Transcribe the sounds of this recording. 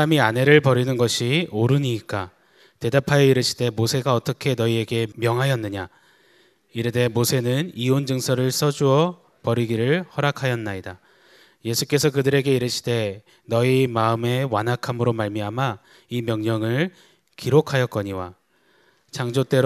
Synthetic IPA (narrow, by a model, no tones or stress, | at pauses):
amiane̞ɾɯɭpʌɾinɯnɡʌɕʰioɾɯɲiːk͈a | te̞dapʰajʌiɾɯɕʰi̥de̞mosʰe̞ɡaʌt͈ʌkʰe̞nʌie̞ɡe̞mjʌŋɦajʌnːɯɲa | iɾede̞mosʰe̞nɯniond͡ʑɯŋsʰʌɾɯɭs͈ʌd͡ʑuʌ | pʌɾiɡiɾɯɭhʌɾakʰajʌnːaida | je̞sʰuk͈e̞sʰʌkɯdɯɾe̞ɡe̞iɾɯɕʰi̥de̞ | nʌimaɯme̞wanɦakʰamɯɾomaɭmiɦama | imjʌŋɲʌŋɯɭ | kiɾokʰajʌk͈ʌɲiwa̰ | t͡ɕaŋd͡ʑot͈e̞ɾ